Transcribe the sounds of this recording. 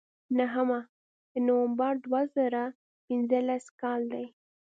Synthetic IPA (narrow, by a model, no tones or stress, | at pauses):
naɦəma | d̪̥ənowambaɾd̪wazaɾa | pɪnzəlaskɑld̪aj